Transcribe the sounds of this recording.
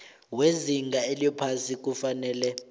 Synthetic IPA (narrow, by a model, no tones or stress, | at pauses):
weziŋɡʱaeliɔpʰasik̬ufanɛːlɛ